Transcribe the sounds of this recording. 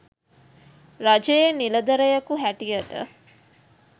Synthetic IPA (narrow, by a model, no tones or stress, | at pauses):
ɾad͡ʒejeniləd̪əɾəjɐkuɦæʈijəʈə̰